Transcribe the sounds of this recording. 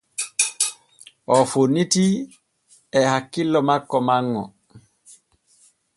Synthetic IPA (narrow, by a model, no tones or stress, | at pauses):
ʔɔfonːiti | ɛhakːilːɔmakːɔmaŋːɔ̰